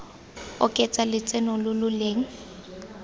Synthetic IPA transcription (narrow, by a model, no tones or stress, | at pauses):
ʊkʼɛt͡sʼalɪt͡sʼɛnɔlʊlʊleːŋ̩